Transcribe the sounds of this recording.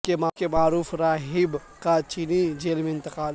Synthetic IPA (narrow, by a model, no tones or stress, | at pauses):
kemakemaːɾuːfɾaːɦɪb | kat͡ʃiːnid͡ʒeːlmẽɪ̃nt̪ɪqaːl